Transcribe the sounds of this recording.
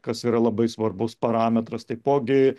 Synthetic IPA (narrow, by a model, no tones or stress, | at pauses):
kɐsiːɾɐlˠɐbɐɪsʋɐrbʊspɐɾɑːmʲɛt̪ɾɐst̪ɐɪpoːɡʲɪ